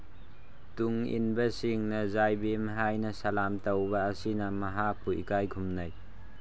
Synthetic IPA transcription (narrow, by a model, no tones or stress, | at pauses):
tuŋḭnbɐsiŋnɐzajbimaɦajnɐsalamtawbaːsinamaɦapʰuḭkajkʰumnaj